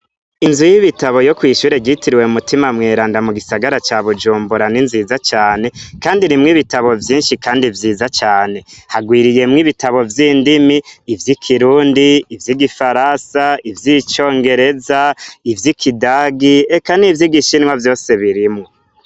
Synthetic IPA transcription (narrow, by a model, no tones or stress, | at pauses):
inzujiβitaβo̞jokwiːʃuːɾe̞ɟitiɾiwe̞umutimamŋe̞ːɾaːndamuɡisaɡaɾat͡ʃaːβud͡ʒuːmbuɾaninzizat͡ʃaːne̞kaːndinimŋiβitaβo̞vjiːnʃikaːndivjiːzat͡ʃaːne̞haɡwiːɾije̞mŋiβitaβo̞vjiːndimiːvjikʰiɾuːndiːvjiɡifaɾansaivjit͡ʃo̞ːŋɡe̞ɾe̞zaivjikʰidaɡiekanivjiɡiʃinŋwavjo̞ːse̞βiɾimŋo